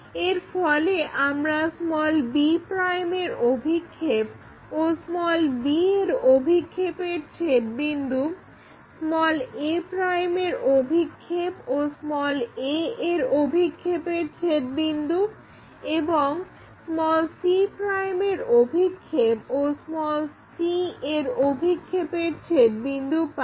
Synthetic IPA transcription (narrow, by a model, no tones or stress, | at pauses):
eɾfɔleʔamɾasmɔlbipɾajmeɾobʱikʰːep | osmɔlbieɾobʱikʰːepeɾt͡ɕʰet̪̚bind̪u | smɔlepɾajmeɾobʱikʰːeposmɔleeɾobʱikʰːepeɾt͡ɕʰet̪̚bind̪u | eboŋ | smɔlsipɾajmeɾobʱikʰːeposmɔlsieɾobʱikʰːepeɾt͡ɕʰet̪̚bind̪up